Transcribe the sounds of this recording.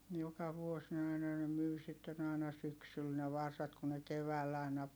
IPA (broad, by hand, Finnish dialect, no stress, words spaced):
jokɑ ʋuos ne ɑinɑ ne myi sitːen ɑˑi̯nɑ syksyl ne ʋɑrsɑt ku ne keʋæːlː ɑˑi̯nɑ